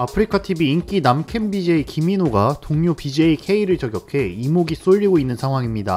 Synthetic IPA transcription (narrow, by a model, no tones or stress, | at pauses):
apʰɯɾikʰatʰibiːnk͈inamkʰe̞mbid͡ʑe̞ikiminoɡatoŋɲopid͡ʑeikʰe̞iɾɯɭt͡ɕʌɡjʌkʰe̞imoɡis͈oʎːiɡoinːɯnsʰaŋwaŋimɲida